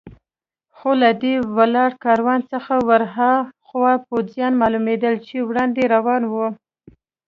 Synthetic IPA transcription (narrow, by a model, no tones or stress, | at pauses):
xolad̪ewalɑɽkɑɾwɑnt͡səxawaɾɦaxwapozjɑnmɑlumed̪əlt͡ʃewɽɑnd̪eɾawɑnwu